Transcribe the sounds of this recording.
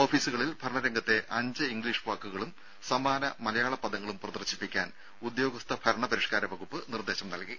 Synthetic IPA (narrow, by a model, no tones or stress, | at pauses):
o̞ːfiːsuɣɐɭilbʱɐɾɐɳɐɾeŋɡɐt̪ːe̞ʔɐɲd͡ʑɨiŋɡɭiːʂʋaːkːuɣɐɭum | sɐmaːnɐmɐlɐjaːɭɐpːɐðɐŋːɐɭumprɐðɐrɕi̥pːikʲːaːn | ud̪jo̞ːɡɐst̪ʰɐbʱɐɾɐɳɐpɐɾiʂkaːɾɐʋɐɣupːɨnird̪e̞ːɕɐmnɐlki